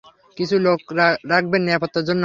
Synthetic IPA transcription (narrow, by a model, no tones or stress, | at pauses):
kit͡ɕʰulokɾak̚ʰbenːiapɔt̪ːaɾd͡ʑonːo